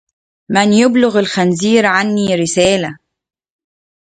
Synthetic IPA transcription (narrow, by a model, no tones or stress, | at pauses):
mɪnjʊblʊɣalxanziːɾʕanːiːɾɪsæːla